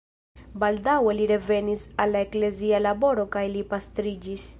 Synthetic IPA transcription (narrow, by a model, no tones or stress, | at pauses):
baldawe̞liɾe̞ve̞nisalːaekle̞zialabo̞ɾo̞kajlipastɾid͡ʒis